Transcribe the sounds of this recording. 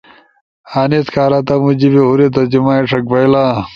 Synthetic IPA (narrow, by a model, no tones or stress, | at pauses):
aːniskʰaːɾat̪ɐmud͡ʑibehuɾet̪̬ɐd͡ʑimaːiʂʰɐk̚bɐjla